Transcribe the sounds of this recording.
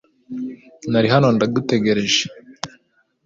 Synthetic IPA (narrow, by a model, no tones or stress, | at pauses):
naɾiɦano̞ndadute̞ɡe̞ɾe̞ʒe̥